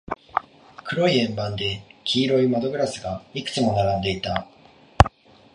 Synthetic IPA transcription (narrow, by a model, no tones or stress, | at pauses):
kɯ̟ɾo̞iẽ̞mbãnd̪e̞kʲʰiːɾo̞imad̪o̞ɡɯ̟ɾasɨɡaikɯ̟̥t͡sɨmo̞naɾãnd̪e̞it̪a